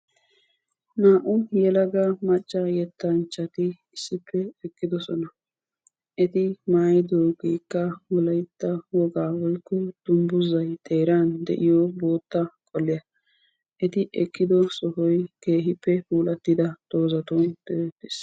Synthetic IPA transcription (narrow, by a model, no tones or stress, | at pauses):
naːʔʊjɛlɐɡɐmɐt͡ʃʼːɐjɛt̪ːɐnt͡ʃːɐt̪ɪ | ɪsːɪpʰːɛɛkːɪd̪ɔsɔnɐ | ʔɛt̪ɪmaːjɪd̪oːɡiːkːɐwʊlɐjt̪ːɐwɔɡaːwɔjkːʊd̪̥ʊmbʊzɐjt̪ʼeːɾand̪ɛ̰ʔɪjɔbo̞ːt̪ːɐkʼɔlːɪjɐ | ʔɛt̪ɪʔɛkʼːɪd̪ɔsɔhɔjke̞ːɦɪpːɛpuːlɐt̪ːɪd̪ɐd̪̥oːzɐt̪oːnd̪̥ɛt̪ːɪ̥s